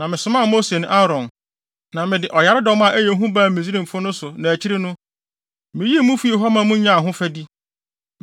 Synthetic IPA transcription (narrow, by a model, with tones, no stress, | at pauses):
nã˨mɪ̃˨sʊ˨mã˦˨mo˦se˨nʊ̃˦ʔa˦ɾɔ̃˨n | nã˨mɪ̃˨dɪ˨ʔɔ˨ja˨˦ɾɪ˦dɔ˦mã˨ʔæ˦je˨˦ɦũ˦ba˦˨mĩ˨zi˦ɾĩ˦˨m̩˨fʊ˦nʊ̃˦sʊ˨nã˨æ˨t͡ɕʰi˦ɾɪ˦nʊ̃˦ | mɪ̃˨ji˦mũ˦fu˦e˨ɦɔ˦mã˨mʊ̃˦ɲã˦˨ɦʊ̃˦fæ˦di˦